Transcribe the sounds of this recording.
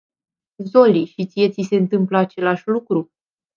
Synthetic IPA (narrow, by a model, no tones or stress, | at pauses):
zo̞liʃit̪sije̞t̪sise̞ɨnt̪ɨmpləat͡ʃe̞laʃʲlukɾu